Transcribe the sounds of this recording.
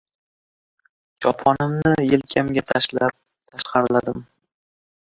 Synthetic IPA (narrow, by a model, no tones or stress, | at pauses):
d͡ʒɒpʰɒnɪmnɪjɪlkʲʰamɡʲat̪ʰ | t̪ʰaʃqɑɾlad̪ɪm